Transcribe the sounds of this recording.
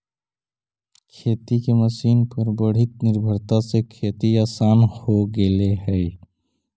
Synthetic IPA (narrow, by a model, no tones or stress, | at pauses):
kʰet̪ikeməsiːnpəɾbəɽ̤it̪̚niɾbʱəɾt̪asekʰet̪iaːsanhoɡeleɦəe